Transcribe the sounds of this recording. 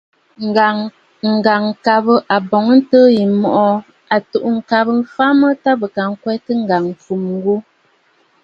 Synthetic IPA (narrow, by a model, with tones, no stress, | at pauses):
ŋ̩˨ɡa˨ŋ˨ka˨bə˦ʔa˨bɔ˨ŋə˦n̩˦təː˦ji˨mɔ˨ʔɔ˦ | a˨tu˨ʔu˦ŋ̩˨ka˨bə˦m˦fa˦mə˦ta˦bə˨ka˨ŋ̩˦kwɛ˦tə˦ŋ̩˦˨ɡa˨ŋfu˨mŋ˦ɡu˦